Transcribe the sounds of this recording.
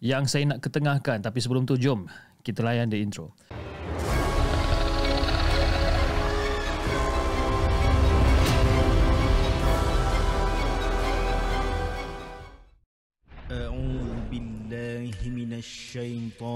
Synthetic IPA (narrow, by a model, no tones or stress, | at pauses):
jaŋsajanaʔkət̪əŋãhkant̪apisəbəlʊmt̪ud͡ʒʊm | kit̪alajandiint̪ɾo | ʔaʕuːðbilːaːhminaʃːajt̪ˤɑː